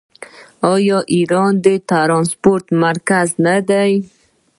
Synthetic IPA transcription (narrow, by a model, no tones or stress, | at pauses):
ɑjɔʔiɾɑnd̪ət̪aɾɑnspoɾt̪maɾkaznad̪aj